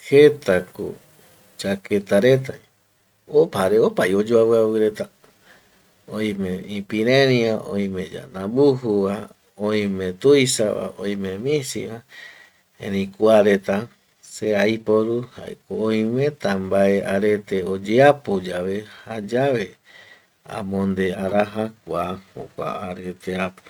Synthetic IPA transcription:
het̪ako̰ | t͡ʃaket̪aɾe̞t̪a | opaɾeopajod͡ʒoaβɨawɨɾe̞t̪a | õj̃mẽĩpĩɾẽɾĩaʔõ̰j̃mẽd͡ʒa̰nãbuɦuβa | õj̃mẽt̪ujsa̰βa̰õ̰j̃mẽmĩsḭβa | ḛ̃ɾĩkʷaɾe̞t̪a | seajpoɾuha̰ḛkoõj̃mẽt̪ambaeaɾet̪eod͡ʒeapod͡ʒaβe̞had͡ʒaβe | ã̰mõnd̪eaɾaɦak̚ʷaho̰kʷa̰aɾe̞t̪eapo̥

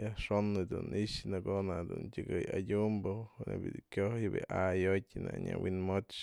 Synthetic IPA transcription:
aʂonːɨd̪uniʃnaɡonad̪untʲɨɡɨjadʲumbonebʲid̪ikjojbiʔajotʲnaɲawinmot͡ʃ

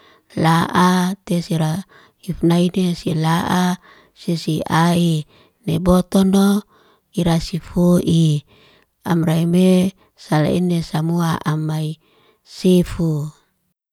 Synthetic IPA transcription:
laʔat̪esiɾa | ifnainesilaʔa | sisiai | nebot̪ɔno | iɾasifuʔi | amraime | sala̰inesamuaʔamai | sifu

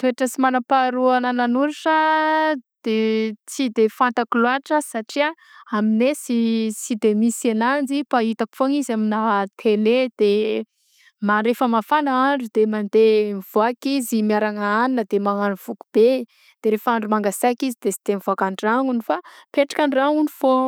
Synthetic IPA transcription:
t̪ueʈ͡ʂəsimanapaɾuanananuɾiʂə | d̪̥et͡sid̪efant̪akloaʈ͡ʂəsaʈ͡ʂia | aminesisid̪emisanand͡zipait̪aki̥foŋizaminat̪ʰeled̪̥e | maɾefəmafanaaɳɖ͡ʐud̪emand̪emv̥oakizimiaɾaŋaaninəd̪emaŋanuv̥ukub̥e | d̪̥eɾefəaɳɖ͡ʐumaŋɡasaakizid̪esi̥d̪̥emivoakaɳɖ͡ʐaŋunifapeʈ͡ʂḁkanraunifo

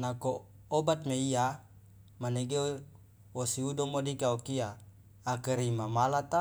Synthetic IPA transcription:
nakoː | bat̪̚meia | maneɡe | wosiudɔmodikaokiaː | kəɾimamalat̪a

